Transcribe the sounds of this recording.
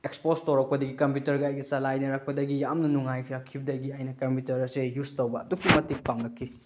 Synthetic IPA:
ekspostowɾɐk̚pɐdɐɡikɐmpjutɐɾɡɐajɡɐsɐlajnɐɾak̚pɐdɐɡijamnɐnuŋajkʰiɾakʰːibɐdɐɡiajnɐkɐmputɐɾɐsejustowbɐːdukːimɐtik̚paŋlɐkʰːi

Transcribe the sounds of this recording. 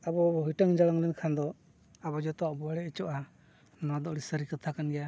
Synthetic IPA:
abɔbɔɦiʈaŋd͡ʒalaŋlɛnkʰand̪ɔ | abɔd͡ʒɔt̪ɔaʔbɔaɽɛɛt͡ʃɔʔa | nɔwad̪ɔʔɽisəɾikat̪ʰakanɡɛja

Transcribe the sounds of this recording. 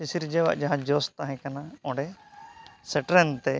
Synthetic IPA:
isiɾd͡ʒɛwa̰ʔd͡ʒaɦãd͡ʒɔst̪aɦɛ̃kanaɔ̃ɖɛ | sɛʈɾɛnt̪ɛ

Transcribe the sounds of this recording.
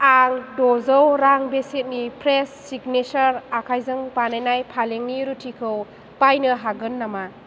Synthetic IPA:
aŋdɔzɔwɾaŋbeset̚nipʰɾesːiɡnet͡ʃɐɾakʰajzɯŋpanajnajpʰaleŋniɾutʰikʰɯw | pajnɯɦaɡɯnːama

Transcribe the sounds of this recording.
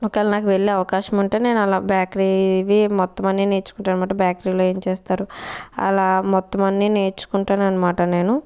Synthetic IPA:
ɔkːaːlɐnaːkuʋe̞ɭːeɐʋɐkaːʃɐmuɳʈe̞ːne̞ːnuɐlaːbjaːkɾiʋimɔt̪ːɐmɐnːine̞ːt͡ʃu̥kuɳʈaːnɐmaːʈɐbjaːkɾiːlo̞ːe̞ːmt͡ʃeːst̪aːɾuɐ̰laːmɔt̪ːɐmɐnːine̞ːɾt͡ʃːu̥kuɳʈaːnuɐnːɐmaːʈɐne̞ːnu

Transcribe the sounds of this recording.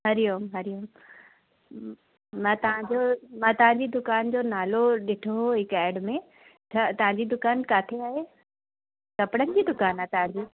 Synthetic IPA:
ɦɐɾɪjoːmɦɐɾijoːm | mãːt̪ɐʋ̤ãɲd͡ʑomãːt̪ɐʋ̤ãɲd͡ʑid̪ʊkaːnd͡ʑonaːloɗɪʈʰoɦoɦɪkɛːɪɖmẽ | tʰɐt̪ɐʋ̤ɦãɲd͡ʑid̪ʊkaːnkaːt̪ʰeaːɦe | sɐpɪɽənɪd͡ʑiːd̪ʊkaːnaːt̪ɐʋãɲd͡ʑiː

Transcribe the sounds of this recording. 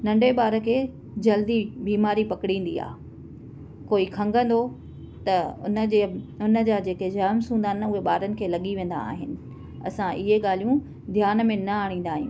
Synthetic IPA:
nɐ̃ɳɖʱeɓaːɾəkʰeː | d͡ʑɐld̪ibiːmaːɾipɐkɽĩːn̆d̪ia̰ː | koːikʰɐ̃ŋɡə̃n̆d̪o | t̪ɐʊnəeʊnə̆d͡ʑaːd͡ʑeːked͡ʑɐɦmsũːnd̪aːɦɪnʊɦeɓaːɾənɪ̆kʰeːlɐɠiʋẽːn̆d̪a̰ːɦɪnɪ̆ | ɐ̰sãʔɪɦeɠaːl̤ijũ | d̪ʱjaːnəmẽnɐaːɽ̃ĩːn̆d̪aːɦjḭ̃ː

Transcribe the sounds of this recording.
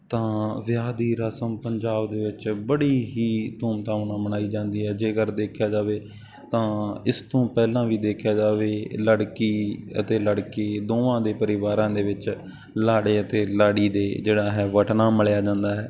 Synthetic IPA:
t̪ãːʋɪjaːd̪iːɾaːsəmpəɲd͡ʒaːbd̪eːʋɪt͡ʃbəɽiːɦiːt̪uːmt̪ãːʋnãːmənaːiːd͡ʒãːnd̪iːɦɛːd͡ʒeːɡəɾd̪eːkʰjaːd͡ʒaːʋeː | t̪ãːɪst̪õːpɛːlãːʋiːd̪eːkʰjaːd͡ʒaːʋeːləɽkiːə̰t̪eːləɽkeːd̪oːãːd̪eːpəɾɪʋaːɾãːd̪eːʋɪt͡ʃ | laːɽeːət̪eːlaːɽiːd̪eːd͡ʒeːɽaːɦɛːʋəʈnaːməɭjaːd͡ʒãːnd̪aːɦɛː

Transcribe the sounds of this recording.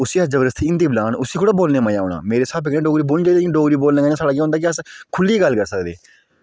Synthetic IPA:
ʊsiːəsd͡ʒəbəɾəst̪ʰiːɪ̃nd̪iːblaːnʊsiːkʰʊɽaːboːlneːməjaːoːna̰ːmeːɾeːsaːbɪknẽːɖoːɡɾiːboːld͡ʒaid̪ekːɖoːɡɾiːboːlneːɡaːaːsaːɖaːkj̃ːɦʊnd̪aːk̬ɪəskʰʊlːiːɡəlːkəɾsəkd̪ḛː

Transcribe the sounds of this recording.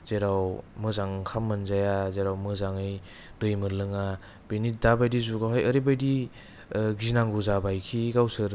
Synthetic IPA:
z̥eɾawmɯzaŋkʰamːɯnzajazeɾawmɯzaŋɯj | dɯjmɯɾlɯŋa | b̥enit̚dabajdizuɡaɦajəɾibajdi | ɡinaŋɡuzabajkʰiɡawsɯɾ

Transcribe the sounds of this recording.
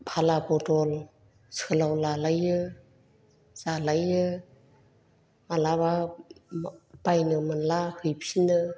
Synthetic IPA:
pʰalapɔtɔl | sɯlawlalajɯ | z̥alajɯ | malaβa | b̥ajnɯmɯnlahɯjpʰinɯ

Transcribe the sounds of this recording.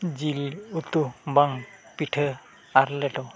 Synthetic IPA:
zilut̪ubaŋpitʰə | aɾlɛtɔ

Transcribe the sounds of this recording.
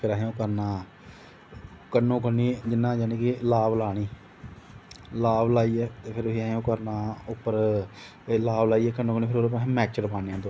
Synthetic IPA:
pʰɪɾaːɦeõːkəɾnaː | kənːõːkəniːd͡ʒɪnːãːd͡ʒaːnĩːkilaːʋlaːɳiː | laːʋlaːiːɛːt̪eːpʰɪɾiːaːɦõːkəɾnaːʊpːəɾ | laːblaːiːɛːkənːõːkəniːpʰɪɾoɾpːmɛːt͡ʃəɾpaːneãːt̪o

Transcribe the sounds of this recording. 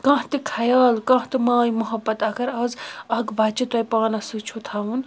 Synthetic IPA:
kɐ̃ɦt̪ikʰɐjaːlkɐ̃ɦt̪imaːjmɐɦɐbːɐt̪akʰɐɾɐzɐɡʋaːt͡ʃit̪ɐjpaːnɐsɨt͡ʃʰut̪ʰaun

